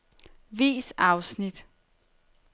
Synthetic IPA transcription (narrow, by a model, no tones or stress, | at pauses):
ʋḭːsɑ̈ʊsnid̥